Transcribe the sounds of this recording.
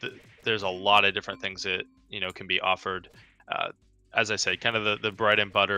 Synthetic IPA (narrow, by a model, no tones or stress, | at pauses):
ðɨ | ðə˞zəlɔɾʌvdɪfɹɨ̃nθɪ̃ŋzðɨt̚ | jɨnoʊkʰn̩biʔɔ̰fə˞d | ʔʌ̰ | ʔɨzaɪseɪkʰãɪ̃ndʌvðɨðɨbɹɛɾɨ̃nbʌɾə